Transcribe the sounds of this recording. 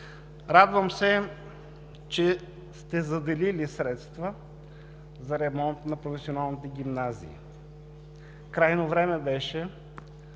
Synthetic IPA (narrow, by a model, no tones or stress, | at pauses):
ɾad̪vəmsɛ | t͡ʃɛ | st̪ɛzɐd̪ɛlilisɾɛt̪st̪və | zɐɾɛmɔnt̪nɐpɾofɛsionalˠnit̪ɛɡʲimnazḭː | kɾajnovɾɛmɛbɛʃɛ